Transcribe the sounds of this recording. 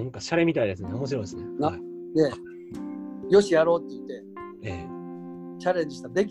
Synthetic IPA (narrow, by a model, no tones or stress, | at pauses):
ãŋkaɕaɾe̞mʲit̪aid̪e̞sɨneomo̞ɕ̬iɾo̞id̪esɨnenai | ne̞ | jo̞ɕijaɾo̞ːt̪ːe̞it̪ːe̞ | eː | t͡ɕaɾẽ̞ɲ̟d͡ʑiɕi̥t̪ad̪e̞kʲ